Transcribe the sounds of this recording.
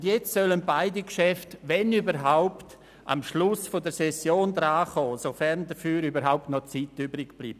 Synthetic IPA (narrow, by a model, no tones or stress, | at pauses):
ndjɛt͡ssœlənbaɪdikʃɛftvɛnybəɾɦaʊpt | a̰mʃlʊsfodəɾsɛsjoːndɾaːχɔːsofɛɾndəfyːɾybəɾɦaʊp̚tnɔt͡siːtybɾɪkb̥lḭːb̚